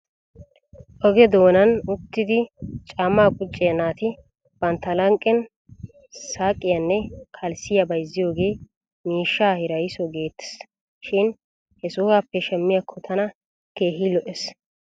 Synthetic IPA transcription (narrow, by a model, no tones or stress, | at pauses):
ʔɔɡɛd̪o̞ːnɐnʊt̪ːɪd̪ɪt͡ʃʼaːmːaːkʼʊt͡ʃʼːɪjɐnaːt̪ɪ | b̥ɐnt̪ːɐlɐŋkʼːɛn | saːkʼːɪjɐnːɛkʰɐlsɪjɐbɐjɪzːɪjo̞ːɡe̞ː | miːʃːaːhɪɾɐjɪsɔɡe̞ːt̪ːɛ̥s | ʃɪn | hɛsʊhaːpːɛʃɛmːɪjakʰːɔt̪ʰɐnɐ | ke̞ːɦilɔʔɛs